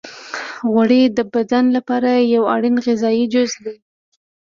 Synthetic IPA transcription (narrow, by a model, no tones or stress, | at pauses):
ɣwaɽed̪əbad̪anlapɑɾajawɑ̰ɽinɣɪzɑjid͡ʒʊzd̪i